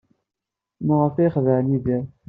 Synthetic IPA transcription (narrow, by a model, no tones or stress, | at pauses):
məʁəfiχðəʕniðiɾˤ